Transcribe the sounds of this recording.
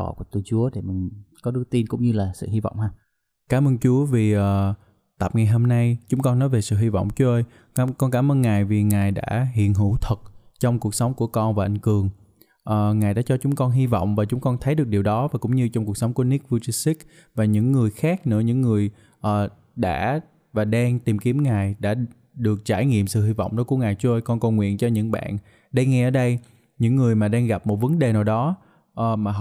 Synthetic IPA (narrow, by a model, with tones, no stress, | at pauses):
ɔ̰˧˨ku˧˩ət̪u˧t͡ɕu˨˦əɗe˧˩mï˨˩ŋkɔ˨˦ɗɨ˨˦t̪i˧nkʊ̰˧˥ŋ͡mɲɨ˧laː˨˩sɨ̰˧˨hi˧vɔ̰˧˨wŋ͡mhɦaː˧ | kaː˨˧˦mʔəː˧nt͡ɕu˨˦əvi˨˩ʔəː˨˩ | t̪a˨˩p̚ŋa˨˩jɦo˧mna˧jt͡ɕʊ˨˦ŋ͡mkɔ˧nːɔ˨˦jve˨˩sɨ̰˧˨ɦi˧vɔ̰˧˨wŋ͡mt͡ɕu˧˦ʔəː˧j | kɔ˧nkaː˧˩mʔəː˧nŋaː˨˩jvi˨˩ŋaː˨˩jɗa̰ː˧˥ɦḭ˧˨ənɦɨ̰˧˩t̪ʰə˨˩t̚t͡ɕɔ˧wŋ͡mku˨˩ək̚sa˨˦wŋ͡mku˧˩əkɔ˧nvaː˨˩ʔa˨˩jŋ̟kɨ˨˩əŋ | ʔəː˨˩ŋaː˨˩jɗa̰ː˧˥t͡ɕɔ˧t͡ɕʊ˨˦ŋ͡mkɔ˧nɦi˧vɔ̰˧˨wŋ͡mvaː˨˩t͡ɕʊ˨˦ŋ͡mkɔ˧nt̪ʰə˨˦jɗɨ˨˩ək̚ɗi˨˩wɗɔ˨˦vaː˨˩kʊ̰˧˥ŋ͡mɲɨ˧t͡ɕɔ˧wŋ͡mku˨˩ək̚sa˨˦wŋ͡mku˧˩əni˦˥k̚vu˧t͡ɕi˧si˦˥k̚ | vaː˨˩ɲɨ̰˧˥ŋːɨ˨˩əjxaː˦˥k̚nɨ̰˧˥əɲɨ̰˧˥ŋːɨ˨˩əj | ʔəː˨˩ | ɗa̰ː˧˥ | vaː˨˩ɗaː˧ŋt̪i˨˩mki˨˦əmŋaː˨˩jɗa̰ː˧˥ | ɗɨ˨˩ək̚t͡ɕaː˧˩jŋḭ˧˨əmsɨ̰˧˨hi˧vɔ̰˧˨wŋ͡mɗo˨˦jku˧˩əŋaː˨˩jt͡ɕu˧ʔə˧jkɔ˧nkə˧˩wŋwḭ˧˨ənt͡ɕɔ˧ɲɨ̰˧˥ŋɓa̰ː˧˨n | ɗəː˧ŋːɛ˧ʔəː˧˩˦ɗə˧j | ɲɨ̰˧˥ŋːɨ˨˩əjmaː˨˩ɗaː˧ŋɣa˨˩p̚mo˨˩t̚və˨˦nɗe˨˩naː˨˩wɗɔ˨˦ | ʔːmaː˨˩